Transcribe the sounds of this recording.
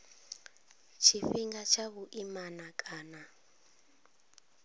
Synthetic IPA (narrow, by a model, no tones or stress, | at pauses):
t͡ʃʰifiŋɡat͡ʃʰaβuʔimanakʼaːna